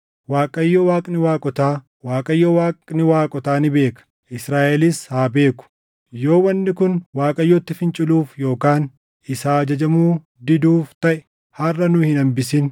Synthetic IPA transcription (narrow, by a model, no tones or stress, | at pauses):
waːkʼɐjːowaːkʼnɪwaːkʼɔt̪aː | waːkʼɐjːowaːkʼnɪwaːkʼɔt̪aːnɪbe̞ːkɐ̥ | ʔɪsɾaːʔɛlɪshaːbe̞ːkʊ̥ | jo̞ːwɐnːɪkʊnwaːkʼɐjːɔt̪ːɪfɪnt͡ʃʼɪluːfjo̞ːkaːn | ɪsaːd͡ʒɐd͡ʒɐmuː | d̪ɪd̪uːft̪ɐʔɪ | hɐrːɐnʊhɪnɐmbɪsɪn